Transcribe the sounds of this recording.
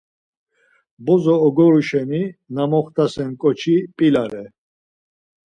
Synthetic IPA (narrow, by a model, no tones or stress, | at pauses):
bɔzɔːɡɔɾuʃɛminamɔχt̪ʰasɛnkʼɔt͡ʃʰipʼilaɾɛ